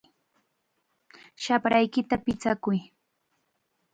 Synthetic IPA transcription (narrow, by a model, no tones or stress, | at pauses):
ʃapɾajkɪt̪apɪt͡sakʊj